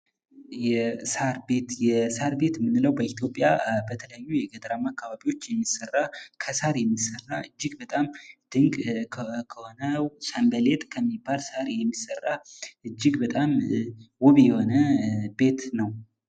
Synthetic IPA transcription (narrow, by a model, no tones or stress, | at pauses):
jɛsaɾbet̪jɛsaɾbe̞t̪mːɨnːɨləwbəit̪ʰjo̞pʼjabət̪ʰələjajːujɛɡəd̪əɾamakːaβaβiwo̞t͡ʃːjɛmːisərːakʰəsaɾjɛmːisərːaʔɨd͡ʒːɪɡbət̪ʼamd̪̥ɨŋkʼʰkʰəhonəsambəle̞t̪ʼkʰəmːibːalsaɾjɛmːisərːaʔɨd͡ʒːɪɡbət̪ʼamwɔβijɛho̞nəbe̞t̪nəw